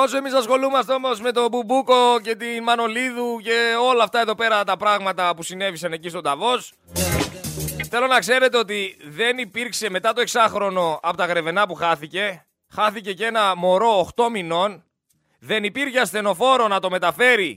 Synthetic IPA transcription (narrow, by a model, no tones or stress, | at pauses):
o̞soe̞misɐsxo̞lumeɐst̪o̞mo̞zme̞t̪o̞bubuko̞ce̞t̪inmɐno̞liðuce̞o̞lɐːft̪ɐeðo̞pe̞ɾɐt̪ɐpɾɐɣmɐt̪ɐpusine̞visɐne̞cist̪o̞d̪ɐvo̞s | θe̞lo̞nɐkse̞ɾe̞t̪̬e̞o̞t̪iðe̞nipiɾkse̞me̞t̪ɐt̪o̞e̞ksɐxɾo̞no̞ɐpo̞t̪ɐɣɾe̞ve̞nɐpuxɐθice̞ | xɐθice̞ce̞nɐmo̞ɾo̞ːxt̪o̞mino̞n | ðe̞nipiɾçeɐst̪e̞no̞fo̞ɾo̞nɐt̪o̞me̞t̪ɐfe̞ɾi